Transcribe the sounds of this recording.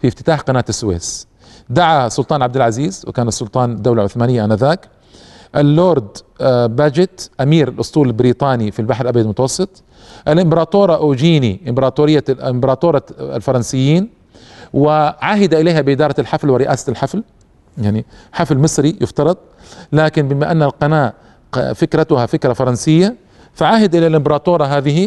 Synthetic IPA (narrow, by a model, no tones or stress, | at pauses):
fift̪ɪ̥t̪aːħqɑnaːt̪ɪsːʊwḛːs | d̪aʕasˤʊlt̪ˤɑːnʕab̚d̪ɪlʕaziːzwɪ̰kaːnasːʊlt̪ˤɑːnd̪ːawlaʕʊθmaːnɪjːaʔanaðaːk | ʔalːoːɾˤd̪bad͡ʒɪt̪ʔamiːɾalʔʊsˤt̪ˤuːlɪlbɪɾiːt̪ˤɑːnifilbaħɾʔabjad̪mʊt̪ɑwɑsˤːɨt̪ˤ | ʔalʔɪmbɑɾˤɑːt̪oːɾˤɑʔoːd͡ʒiːniʔɪmbɑɾˤɑːt̪uːɾɪjːaɪmbɑɾˤɑːt̪uːɾˤɑ̰lfɑɾˤɑnsɪjːiːn | wɪʕaːɦɪd̪aʔɪleːhabɪʔɪd̪ɑːɾˤɑalħaflwɪɾɪʔa̰ːsalħafl | jaʕniħaflmɨsˤɾijɪft̪ɑɾˤɑd̪̚ˤ | laːkɪnbɪmaʔanːalqɑnaːʔ | fɪkɾat̪ʊhafɪkɾɑfɑɾˤɑnsɪjːa | faʕaːɦɪd̪ʔɪlalʔɪmbɑɾˤɑːt̪ˤoːɾˤɑɦaːðɪɦi